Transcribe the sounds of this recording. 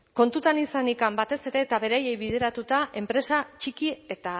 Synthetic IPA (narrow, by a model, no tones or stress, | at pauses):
ko̞nt̪ut̪anisanikambat̪e̞se̞ɾe̞ːt̪aβe̞ɾaje̞jβið̞e̞ɾat̪ut̪aʔe̞mpɾe̞sat͡ʃikie̞t̪a